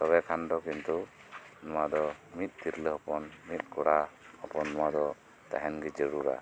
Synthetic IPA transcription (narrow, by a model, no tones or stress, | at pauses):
t̪ɔβɛkʰand̪ɔkint̪u | nɔwad̪ɔmit̪̚ˀt̪iɾləɦɔpɔnmit̪̚kɔɽa | ɔpɔnːɔad̪ɔ | t̪a̰ɦɛnɡɛd͡ʒəɾuɾa̰